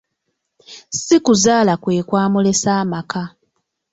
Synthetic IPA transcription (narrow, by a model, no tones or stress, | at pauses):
sikuzaːlakwe̞ːkwaːmule̞saːmaka